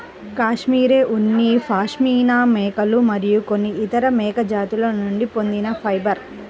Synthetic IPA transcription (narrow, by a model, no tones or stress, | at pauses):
kaːʂmiːɾeːʔunːipʰaːʂmiːnaːmɛːkɐlumɐɾijuko̞nːiːt̪ɐɾɐmɛːkɐd͡ʒaːt̪ulɐnuɳɖipo̞nd̪inɐpʰɐjbɐɾ